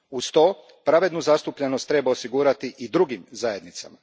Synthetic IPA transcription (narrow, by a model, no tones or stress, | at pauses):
ust̪o̞ː | pɾaʋe̞d̪nuzast̪upʎenost̪ːɾe̞baosiɡuːɾat̪iʔid̪ɾuɡimzaje̞d̪nit̪sa̰ma